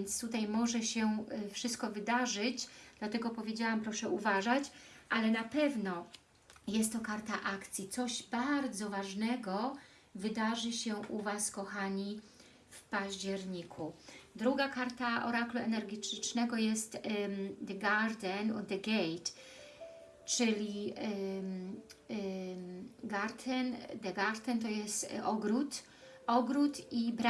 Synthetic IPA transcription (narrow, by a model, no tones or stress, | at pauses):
nt̪st̪ut̪ajmɔʐɛɕɛfʂɨst̪̚kɔvɘd̪aʐɘt͡ɕd̪̥lat̪ɛɡɔpɔvʲjed͡ʑawampɾɔʂɛʔuvaʐat͡ɕʔalɛnapɛvnɔ | jɛst̪ːɔkaɾt̪aʔakt̪sʲjit̪sɔʑbaɾd̪zɔvaʐnɛɡɔ | vɘd̪aʐɘɕɛʔuvaskɔxaɲi | fpaʑd͡ʑɛɾɲikʰud̪ɾuɡakaɾt̪aʔɔɾakluɛnɛɾɡʲɛtt͡ʂnɛɡɔjɛst̪d̪ɛɡaɾd̪ɛnd̪ɛɡɛjt̪ | t͡ʂɘlʲi | ɡaɾt̪ʰɛnd̪ɛɡaɾt̪ɛnt̪ɔjɛst̪ɔɡɾut̪ | ɔɡɾut̪ibɾa